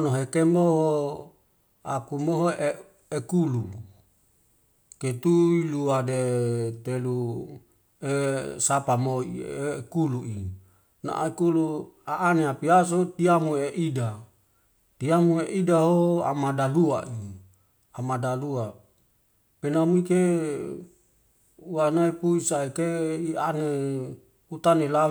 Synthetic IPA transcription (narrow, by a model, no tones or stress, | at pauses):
noɦekemboɦ | akumoɦoʔe | ekulu | ket̪uiluadet̪elu | esapamoḭekuluʔi | na̰ʔa̰ekuluaʔːneapias̬ot̪iamueʔida | t̪iamueʔidaɦoa̰madalua̰ʔi | amadalua | penamike | uwanaipuisaekeiane | ut̪anela